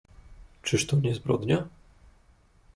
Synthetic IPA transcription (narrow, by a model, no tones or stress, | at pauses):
t͡ʂɘʂt̪ɔɲɛzbɾɔ̰d̪ɲa